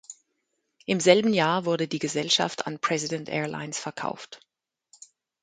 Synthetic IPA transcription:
ʔɪmzɛlbn̩jaːɐvʊɐdədiːɡəzɛlʃa̰fta̰npʁ̥ɛzidɛntʔɛ̰ːɐla̰ɪnsfɛɐkʰa̰ʊft

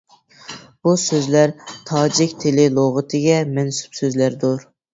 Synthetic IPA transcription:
b̥usøzlæɾt̪ʰɑːd͡ʒɪkʲt̪ʰelɪlˠoʁɨt̪ʰɨɡʲɛmɛnsu̥psøzlæɾd̪uɾ

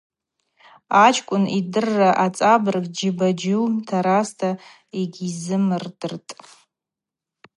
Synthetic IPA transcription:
at͡ʃʰkʷʼʊnidɨrːaʔat͡sʼabɨrɡʼd͡ʒibad͡ʒultʰaɾastʰa | iɡʲizɨmɨrdɨrtʼ

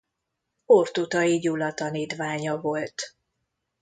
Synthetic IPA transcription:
ort̪ut̪ɒiɟulɒt̪ɒniːt̪ʋaːɲɒvolt̪

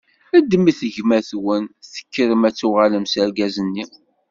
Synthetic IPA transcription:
æd̪miθəʝmæθwənθə̥kːəɾəmæt͡sːuʁaləmsəɾɡæzənːi

